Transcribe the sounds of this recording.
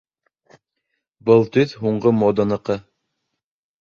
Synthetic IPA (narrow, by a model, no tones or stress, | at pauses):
bɤlˠt̪ɵθɦuɴɢɤmod̪ɑnɤ̆qɤ